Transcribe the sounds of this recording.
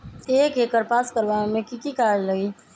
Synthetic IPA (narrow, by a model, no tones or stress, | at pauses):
eːkekəɾpaːskəɾʋamẽkikikaːɾd͡ʒləɡiː